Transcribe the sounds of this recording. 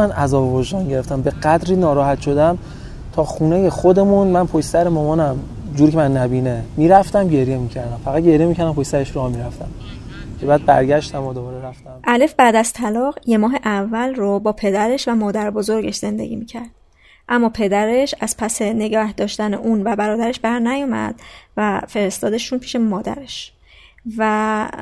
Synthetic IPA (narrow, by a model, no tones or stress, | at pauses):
ænʔæzɒːbeboʒd̪ɒːnɟe̞ɾeft̪æmbe̞ɢæd̪ɾiːnɒːɾɒːɦæt̪ʃo̞d̪æm | t̪ʰɒːxuːnejexod̪e̞munmænpʰoʃsæɾemɒːmɒːnæm | d͡ʒuːɾicʰemænːæbiːnemiːɾæft̪æmɟe̞ɾje̞miːcʰæɾd̪æmfæʁæd̪̚ɟe̞ɾijemicʰæɾd̪æmpʰojsæɾeʃɾohmiɾæft̪æmcʰe̞bæːd̪̚bæ̰ɾɟæʃt̪æmɒd̪obɒːɾeɾæft̪æmʔælefbæːd̪æz̥t̪ʰælɒːɣje̞mɒːɦe̞ʔævːælrobɒːpʰe̞d̪æɾe̞ʃvæmɒːd̪æɾbo̞zo̞ɾɟeʃz̥e̞nd̪e̞̰ɟḭːmiːcʰæɾd̪̥̚ | ʔæmːɒːpʰe̞d̪æɾe̞ʃæz̥pʰæse̞ne̞ɡɒːhd̪ɒːʃt̪æneʔunvæbæɾɒːd̪æɾeʃbæɾnæjɒmæ̰d̪̥væfe̞ɾest̪ɒːd̪eʃuːnpʰiːʃe̞mɒːd̪æ̰ɾe̞ʃ | væ